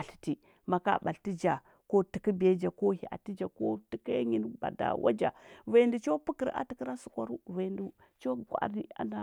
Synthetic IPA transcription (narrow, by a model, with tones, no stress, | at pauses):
a˨ɬi̥˨ti˨ | ma˨ka̰˦ba˨lti˦d͡ʒa˨ | ko˦ti˨ki˦be˦d͡ʒa˨ko˦hi˨ʔa̰˨ti˦d͡ʒa˨ko˦ti˨ka˦ɲi˦n˦ba̰˨da̰˨wa̰˦d͡ʒa̰˨va˨ndu˨t͡ʃo˦pu˦kə˨ɾa̰˨ti˨ki˦ɾa˦su˨kʷa˨ɾu˦va˨ndu˨ | t͡ʃo˦ɡʷa̰˨ɾi˦a̰˨˦na˨